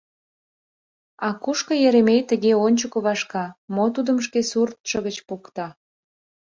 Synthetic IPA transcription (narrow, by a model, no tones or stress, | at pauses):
ɑkuʃkə̆jeɾemejt̪əɣeonʲt͡ɕəkoβɑʃkɑmot̪ud̪əmʃ̬kesurt̪ʃəɣət͡ɕpukt̪ɑ